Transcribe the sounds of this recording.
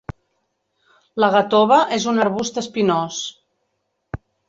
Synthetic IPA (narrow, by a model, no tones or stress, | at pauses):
ləɣat̪oβəʔezunəɾβust̪əspinos